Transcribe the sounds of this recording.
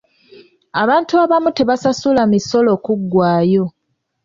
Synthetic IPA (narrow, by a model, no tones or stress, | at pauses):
aβaːntuaβamute̞βasasulamiso̞lo̞ːkuɡːwaːjo̞